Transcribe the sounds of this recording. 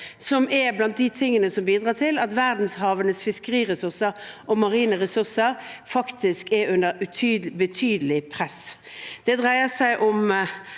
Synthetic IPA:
sɔmɛblɑnt̪̚d̪ɪt̪ʰɪŋːənəsɔmbiːd̪ʁɑːʈʰɪlɑt̪ʋæɾd̪n̩shɑːʋənəsfɪskəʁiːʁɛsʉʁsəɾʔɔmɑʁiːnəɾɛsʉʁsəɾfɑkt̪ʰɪskɛɾʉnd̪əɾʉt̪ʰyːbət̪ʰyːd̪əlɪpʰʁɛs | d̪̥ɛd̪ʁæɪəsæɪʔʊm

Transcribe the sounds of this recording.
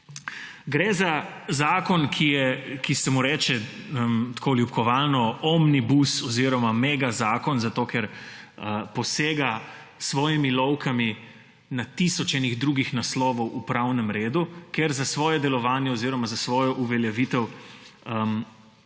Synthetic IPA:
ɡɾɛza | zaːkɔnkʰijɛkist̪ɛmuɾɛːt͡ʃɛmt̪koːljupkʰɔʋaːlnɔɔmnibusɔziɾɔmamɛːɡazaːkɔnzat̪oːkɛɾəpɔseːɡa | sʋɔːjimilɔwkʰami | nat̪isɔt͡ʃɛniɣd̪ɾuːɡixnaslɔːʋɔwʔupɾawnɛmɾeːd̪ukɛɾzasʋɔːjɛd̪ɛlɔʋaːnjɛɔziɾɔmazasʋɔːjɔʔuʋɛljaʋiːt̪ɛw | əm

